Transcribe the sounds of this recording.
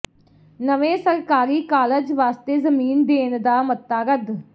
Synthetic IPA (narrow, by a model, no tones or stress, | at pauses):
nəʋẽːsəɾkaːɾiːkaːləd͡ʒʋaːst̪eːzəmiːnd̪eːnd̪aːmət̪ːaːɾəd̪